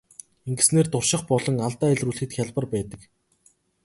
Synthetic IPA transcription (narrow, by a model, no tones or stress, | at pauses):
eŋɡɘ̆sneːrt̪ʊrʃɪ̆χpɔɮɞ̆ŋaɮt̪aːæɮʲruɮxɘ̆t̪xʲjaɮpə̆rpæːt̪ə̆k